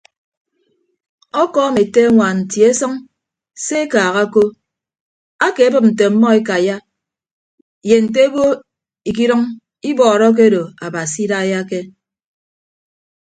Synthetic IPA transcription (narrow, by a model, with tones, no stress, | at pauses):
ɔ˦kɔː˦me˨te˦a˦ŋʷa˨n̩˨tji˨e˦sɔ˦ŋ | se˦e˦kaː˨ɣa˦ko˦ | a˦ke˨a˦bɨ˦p̚n̩˨te˨m̩˦mɔ˦e˦ka˨ja˦ | je˨n̩˨t̬e˦ɡo˦ | i˨k̬i˦ɾɔ˦ŋ | i˦bɔː˨ɾɔ˦k̬e˦do˨a˨ba˨si˦da˦ja˦ke˦